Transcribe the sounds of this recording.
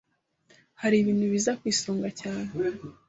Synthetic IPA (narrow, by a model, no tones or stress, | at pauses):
haɾiβiːn̥huβizakwiːsoːŋɡacaːne